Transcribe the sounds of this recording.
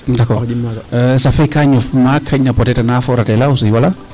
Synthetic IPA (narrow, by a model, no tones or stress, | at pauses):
dakɔ | safekaɲɔfmakʰːaɲnapɔtɛtanafɔɾatɛlausiwala